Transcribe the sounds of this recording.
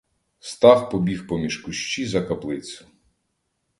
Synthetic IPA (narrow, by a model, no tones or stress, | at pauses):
st̪ɑxpɔbʲixpɔmʲiʃkʊʃt͡ʃizɐkɐplˠɪt͡sʲʊ̥